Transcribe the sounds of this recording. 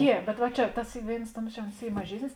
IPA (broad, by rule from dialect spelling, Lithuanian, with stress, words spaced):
ˈjiɛ bʲɛt ʋɐ ˈt͡ʃʲɛ ˈtɐs ˈiː ˈʋʲeːɪns ˈtuɔms t͡ʃʲɛ oːns ˈiː mɐˈʒʲiɛsʲnʲɪs